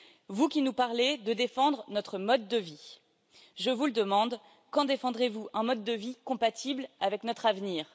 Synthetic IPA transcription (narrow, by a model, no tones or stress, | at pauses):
vukʲinupaʁled̪əd̪efɑ̃d̪ʁənɔt̪χəmɔd̪ːəvi | ʒəvuləd̪əmɑ̃d̪ | kɑ̃d̪efɑ̃d̪ʁevuʔɛ̃mɔd̪ːəvikɔ̃pat̪ʰiblavɛknɔt̪χavniːʁ